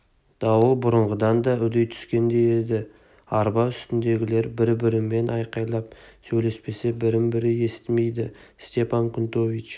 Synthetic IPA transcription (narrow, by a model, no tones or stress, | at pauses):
d̪̥ɑwəlˠbʊɾəɴʁəd̪ɑnd̪ɑʏd̪ejt̪ʰʏ̥skʲe̞nd̪e̞jed̪ɪ | ɑɾbɑʏst̪ɪnd̪e̞ɡʲɪle̞ɾbɪɾbɪɾɪmːe̞nʔɑjqɑjlˠɑp̚sɵjle̞spe̞sebɪɾɪmbɪɾɪe̞sɪt̪ɪme̞jd̪ɪ | st̪e̞pɑŋkʲʰʊnt̪o̞vit͡ʃ